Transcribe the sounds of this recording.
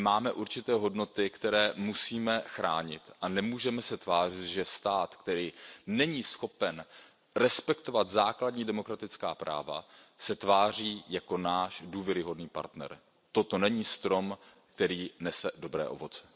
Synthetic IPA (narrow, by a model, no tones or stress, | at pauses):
maːmɛʔuɾt͡ʃɪt̪ɛːɦo̞dno̞t̪ɪkt̪ɛɾɛːmusiːmɛxɾaːɲɪ̰t̪ʔanɛmuːʒɛmɛsɛt̪vaːr̝ɪt̪ʒɛst̪aːt̪kt̪ɛɾiːnɛɲiːsxo̞pɛn | ɾɛspɛkt̪o̞vat̪zaːkladɲiːdɛmo̞kɾat̪ɪt͡skaːpɾa̰ːva̰sɛt̪vaːr̝iːjako̞naːʃduːvjɛɾɪɦo̞dniːpa̰ɾt̪nɛ̰ɾ | t̪o̞t̪o̞nɛɲiːst̪ɾo̞mkt̪ɛɾiːnɛsɛdo̞bɾɛ̰ːʔo̞̰vo̞t͡sɛ̥